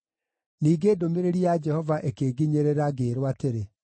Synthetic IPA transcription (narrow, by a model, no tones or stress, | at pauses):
niːɡeːdomeɾeɾijad͡ʒɛhɔvaʔekeːɡiɲeɾeɾaɡeːɾwateɾe